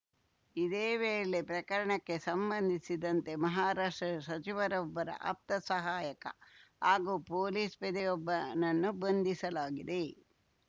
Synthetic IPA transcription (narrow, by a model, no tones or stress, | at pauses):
id̪eːʋeːlepɾɐkɐɾɐɳɐkːe̞sɐmbɐnd̪ʱisid̪ɐnt̪e̞mɐɦaːɾaːʂʈɾɐsɐt͡ʃiʋɐɾɔbːɐɾɐ̰ʔɐ̰p̚t̪ɐsɐɦaːjɐkɐ̰haːɡuːpoːliːspɛd̪ɛjɔbːɐnɐnːubond̪ʱisɐlaːɡid̪e